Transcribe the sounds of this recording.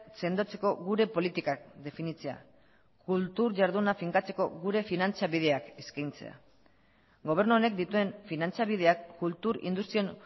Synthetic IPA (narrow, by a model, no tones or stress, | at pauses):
se̞nd̪o̞t͡se̞ko̞ɣuɾe̞po̞lit̪ikak̚d̪e̞finit͡sea̰ | kult̪uɾʝaɾðunafiŋkat͡se̞ko̞ɣuɾe̞finant͡saβið̞e̞akeskajnt͡se̞̰a̰ | ɡo̞β̞e̞ɾnuone̞kd̪it̪ue̞nfinant͡saβið̞e̞akːult̪uɾḭnd̪ust̪ɾio̞n